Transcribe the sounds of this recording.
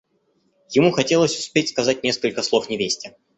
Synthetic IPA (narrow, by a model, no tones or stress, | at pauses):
jɪmuxɐtʲe̞lˠəsʲʊ̥spʲetʲskɐzat̚ʲnʲe̞skəlʲkəslˠo̞fnʲɪvʲesʲtʲə